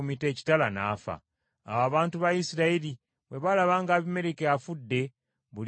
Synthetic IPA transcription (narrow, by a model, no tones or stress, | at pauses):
umite̞ːci̥talana̰ːfa̰ː | woaβaːntuβajisiɾaili | βweβalaβaːŋɡaːβime̞ɾekeafudːe̞ | βul